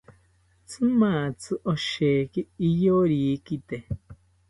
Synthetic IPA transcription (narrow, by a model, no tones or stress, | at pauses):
t͡sʰɨmãt͡sʰɨʔoʃekiijoɾikit̪e